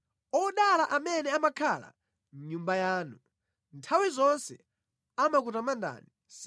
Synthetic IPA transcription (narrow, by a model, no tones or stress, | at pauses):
ɔɗalaʔamɛnɛamakʰala̰ | ɲumbajaːnu | ntʰawizɔnsɛ | amak̬utamandʱa̰ni | s